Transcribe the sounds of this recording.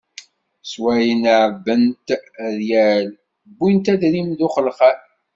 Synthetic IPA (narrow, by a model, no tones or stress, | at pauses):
swæjənʕbːənt̪ðjæl | bːint̪æd̪ɾimðʊχəlqa